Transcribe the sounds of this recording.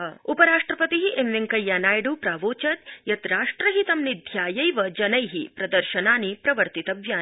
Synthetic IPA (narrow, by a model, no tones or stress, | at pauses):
upɐɾaːʂʈɾɐpɐt̪iɦiʔemʋiŋkɐjːaːnaːjɖuːpɾaːʋoːt͡ʃɐt̪jɐt̪ɾaːʂʈɾɐɦit̪ɐmnid̪ʱjaːjɐjʋɐd͡ʒɐnɐjɦipɾɐd̪ɐɾʃɐnaːnipɾɐʋɐɾt̪it̪ɐʋjaː